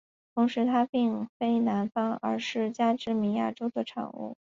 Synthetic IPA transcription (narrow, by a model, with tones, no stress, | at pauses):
t̪ʰʊ˧˥ŋʂɻ̩˧˥t̪ʰa˥pi˥˩˧ŋfe˥ɪna˧˥nfɑ˥ŋə̰˞˧˥ʂɻ̩˥˩t͡ɕja˥ʈ͡ʂɻ̩˥˩mi˧˥nja̰˥˩ʈ͡ʂo˥ʊd̪ə˨ʈ͡ʂʰɑ̰˨˩ŋṵ˥˩